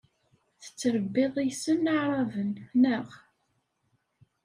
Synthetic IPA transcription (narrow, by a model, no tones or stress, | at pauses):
θə̥t͡sːəɾəbːɪðˤijsənːaʕɾˤɑvənnəʁ